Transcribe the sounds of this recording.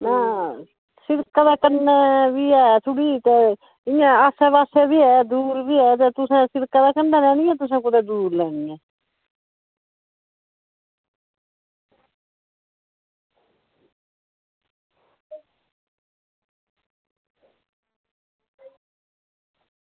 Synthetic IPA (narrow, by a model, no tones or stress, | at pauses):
nãː | sɪɾkad̪aːkənːɛːbiːɛːt̪ʰʊɽiːt̪eː | ɪjãːaːsɛːbaːseːbiːɦɛːd̪uːɾbiːɦɛːt̪eːt̪ʊsãːsɪɾkad̪aːkənːɛːlɛːnĩːɛːt̪ʊsãːkʊd̪eːd̪uːɾlɛːniːɛ̃ː